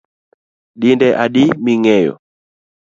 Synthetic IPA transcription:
ɗindɛʔaɗimiŋɛjɔ̰

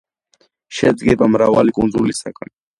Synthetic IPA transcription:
ʃɛd̪ɡɛbamɾavalikʼunzulisakʼan

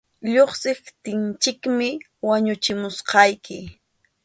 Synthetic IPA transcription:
ʎoχsɪft̪ɪnt͡ʃɪkmɪ | waɲʊt͡ʃɪmʊsqɑjkɪ

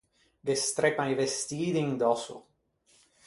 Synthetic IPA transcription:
d̪est̪ɾepajvest̪iːd̪iŋd̪ɔso̰

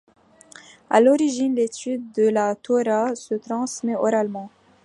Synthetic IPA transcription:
a̰lɔʁiʒinlet̪yd̪̚d̪əlat̪ʰɔʁasət̪χɑ̃smɛɔ̰ʁalmɑ̃

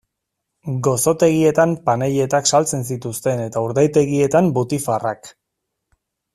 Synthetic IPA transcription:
ɡo̞so̞t̪e̞ɣie̞t̪ampaneʎe̞t̪aksalt͡se̞ns̬it̪ust̪e̞ne̞t̪auɾðajt̪e̞ɣie̞t̪ambut̪ifarak

